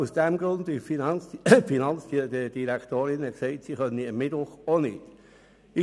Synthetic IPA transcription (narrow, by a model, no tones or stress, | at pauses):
usd̥ɛmɡ̥ɾʊnd̪ɪ | finɑnt͡sdidəd̥iɾækt̪oːɾɪnəksɛɪtsiχœniəmːɪd̥ʋʊχonɪ̰d̥ | ɪ